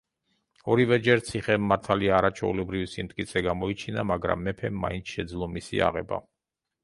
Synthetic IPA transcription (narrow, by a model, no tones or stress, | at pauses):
ɔɾivɛd͡ʒɛɾt̪sʰiχɛmːaɾt̪ʰaliaːɾat͡ʃʰwɛ̰ṵlɛbɾivisimt̪ʼkʼit̪sʰɛɡamɔit͡ʃʰinamaɡɾa̰mːɛpʰɛmːa̰int̪sʰʃɛd̪zlˠɔmisḭa̰ʁɛ̰ba̰